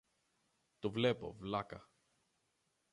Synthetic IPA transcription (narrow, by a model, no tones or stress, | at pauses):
t̪uvlepo̞̰vlɐkɐ